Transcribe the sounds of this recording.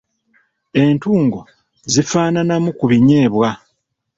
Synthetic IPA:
e̞ːntuːŋɡo̞ | zifaːnanamukuβiɲeːβwa

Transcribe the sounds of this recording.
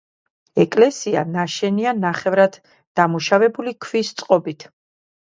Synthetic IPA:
ɛkʼlɛsia̰naʃɛnianaχɛvɾad̪̥ | d̪̥amuʃavɛbulikʰvist̪sʼqʼɔbit̪ʰ

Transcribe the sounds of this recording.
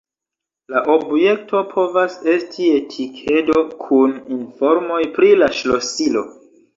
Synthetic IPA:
laʔobje̞k̚tʰo̞pʰo̞vase̞stʰie̞tʰikʰe̞do̞kʰuninfo̞ɾmo̞jpɾilaʃlosilo̞̰

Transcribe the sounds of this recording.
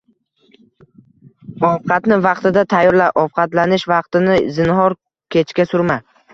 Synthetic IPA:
ɒfqʰɑt̪nɪvɑqt̪ɪd̪at̪ʰajːɒɾlaɾʔɒfqʰɑt̪lanɪʃvɑqt̪ɪnɪzɪnɦɒɾ | kʲʰe̞t͡ʃʰkʲasʊɾma

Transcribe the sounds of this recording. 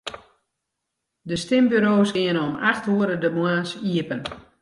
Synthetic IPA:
dəstɪmbyɾoːsɡɪənomaxtuəɾədəmwaːsiəpən

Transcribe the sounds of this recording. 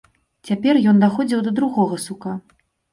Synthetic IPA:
t͡sʲapʲɛrjɔnd̪axɔd͡zʲiwd̪ɐd̪ɾuɣɔɣɐsuka

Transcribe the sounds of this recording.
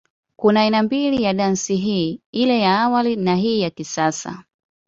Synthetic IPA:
kunaːinambilijaɗansiɦiːilɛjaːwalinaɦiːjakisasa̰

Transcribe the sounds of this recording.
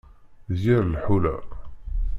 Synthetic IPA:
ziɾlħulæ̰

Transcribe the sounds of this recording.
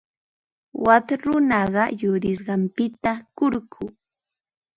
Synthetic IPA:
wat̪ɾʊnɑɢɑjʊɾɪs̬ɢɑmpɪt̪akʊɾkʰʊ

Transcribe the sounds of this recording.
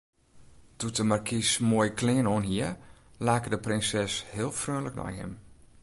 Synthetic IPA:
d̥utəmarkʰismoəjkʰlɪːənoːnɦiəlaːkədəprɪnsɛshɪəlˠfrøənlək̚nɔ̰jɦɪ̰m

